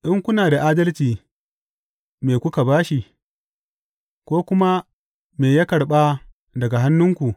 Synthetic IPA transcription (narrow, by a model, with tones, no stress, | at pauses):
ʔɪ˦ŋkʷʊ˦naː˨da˨ʔaː˦dɐ˦lt͡ʃiː˨ | meː˨kʷʊ˦ka˨baː˦ʃi˨ | kʷoː˦kʷʊ˦ma˦ | meː˨ja˦kɐ˨ɽɓa˦ | dɐ˨ɡa˨ɦa˦nːʊ˦ŋkʷu˨ʔ